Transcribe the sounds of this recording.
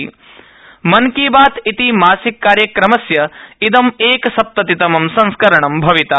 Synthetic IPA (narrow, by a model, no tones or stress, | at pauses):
mɐnkiːbaːt̪it̪imaːsikːaːɾjɐkɾɐmɐsjɐid̪ɐmeːkɐsɐp̚t̪ɐt̪it̪ɐmɐmsɐ̃ŋskɐɾɐɳɐmbʱɐʋit̪ɐ